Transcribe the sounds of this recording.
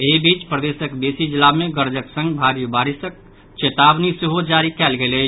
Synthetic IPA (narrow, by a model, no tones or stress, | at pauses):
eːbiːt͡ʃpɾəd̪eːsəkd̪eːsid͡ʒɪlamẽɡəɾd͡ʒəksə̃ŋɡbʱaːɾijəbaːɾɪsək̚ | t͡ʃet̪aːbniseɦod͡ʒaːɾikɛːlɡele